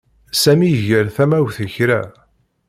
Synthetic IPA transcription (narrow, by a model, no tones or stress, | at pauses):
sæmiəʝəɾθæmæwθəçɾæ̰